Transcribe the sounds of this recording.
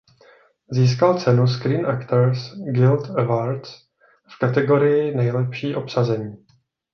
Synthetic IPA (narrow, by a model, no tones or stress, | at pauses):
ziːs̬kalt͡sɛnus̬kɾiːnʔakt̪ɛɾsɡɪlt̪ɛvaɾt̪s | fkat̪ɛɡo̞ɾɪjɪnɛjlɛpʃiːʔo̞psazɛɲiː